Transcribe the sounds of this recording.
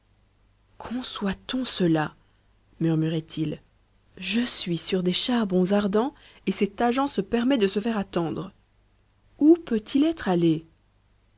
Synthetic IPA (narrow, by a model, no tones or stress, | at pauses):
kʰɔ̃swat̪ɔ̃səla | myʁmyʁɛt̪ʰil | ʒəsɥisyʁd̪eʃaʁbɔ̃zaʁd̪ɑ̃ | esɛt̪aʒɑ̃səpɛʁmɛd̪əsəfɛʁat̪ɑ̃d̪ʁ | upøt̪ʰilɛt̪χale